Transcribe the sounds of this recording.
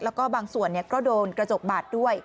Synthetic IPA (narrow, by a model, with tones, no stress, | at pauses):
lɛː˦˥wkɔː˥˩baː˧ŋsu˨˩ənːi˥˩ɐkɔː˥˩doː˧nkɾa˧t͡ɕo˨˩p̚baː˨˩t̪̚du˥˩əj